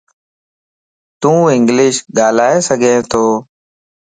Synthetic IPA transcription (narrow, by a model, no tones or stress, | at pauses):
t̪ũːɪ̃ŋɡlɪʃɠaːlaːeːsəɡʱẽːt̪ʰoː